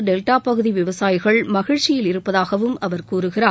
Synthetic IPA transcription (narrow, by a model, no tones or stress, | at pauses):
ɖɛlʈaːpːɐɣɯðiʋɪʋɐsaːjɣɐɭmɐɣɪɻt͡ʃɪjɪlɪɾɯpːɐðaːɣɐʋɯmɐʋɐɾkuːɾɯɣɪraː